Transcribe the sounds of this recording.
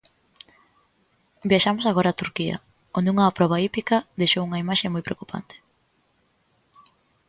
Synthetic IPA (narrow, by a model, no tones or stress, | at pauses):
bjaʃamʊsaɣoɾaːt̪uɾkiɐ̰ | ond̪euŋapɾɔβaipikɐðejʃowuŋɐimaʃeŋmojpɾeokupʰa̰nt̪e̥